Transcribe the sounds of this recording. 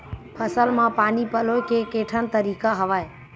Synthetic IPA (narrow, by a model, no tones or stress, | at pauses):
pʰəsəlmãːpaːnipəloːɪkʰeːkeːʈʰən̆t̪əɾiːkaɦɐʋaːe